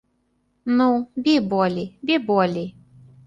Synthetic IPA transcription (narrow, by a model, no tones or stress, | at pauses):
nubʲibɔlʲibʲibɔlʲi